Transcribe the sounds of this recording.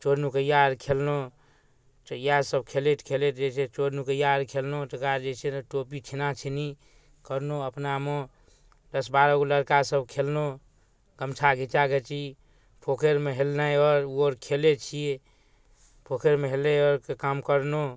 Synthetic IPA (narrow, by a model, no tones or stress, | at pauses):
t͡ʃoɾnukəjaɾkʰelno | t͡ʃəjasəb̚kʰelet̪kʰelet̪d͡ʒet͡ʃʰet͡ʃoɾnukəjaəɾkʰelnot̪əkaɾd͡ʒet͡ʃʰeʈopit̪ʰinat͡ʃʰɛni | kəɾnoəpnamo | d̪əsbaɾɔɡoləɾkasəbkʰelno | ɡəmt͡ʃʰaɡʱit͡ʃaɡet͡ʃi | pʰokʰeɾmeɦelnajɔɾuɔɾkʰelet͡ʃʰie | pʰokʰeɾmeɦeleɔɾkekamkəɾno